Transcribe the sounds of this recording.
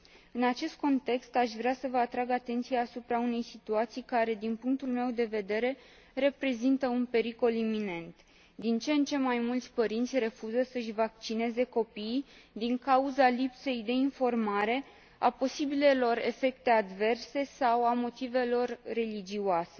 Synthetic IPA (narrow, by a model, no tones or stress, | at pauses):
ɨnat͡ʃe̞st̪̚ko̞nt̪e̞kst̪aʃvɾeasəvəat̪ɾaɡat̪e̞nt̪sijaːsupɾaune̞jsit̪uat̪sijkaɾe̞d̪inpuŋk̚t̪ulme̞wd̪e̞ve̞d̪e̞ɾe̞ | re̞pɾe̞zint̪əunpe̞ɾiko̞limine̞nt̪ | d̪int͡ʃent͡ʃe̞majmult̪sʲpəɾint̪sʲre̞fuzəsəɨʃvak̚t͡ʃine̞ze̞ko̞pij | d̪iŋkauzalipse̞jd̪e̞info̞rmaɾe̞ | apo̞sibile̞lo̞re̞̰fe̞kt̪e̞ad̪ve̞rse̞sawamo̞t̪ive̞lo̞rːe̞lid͡ʒiuase̞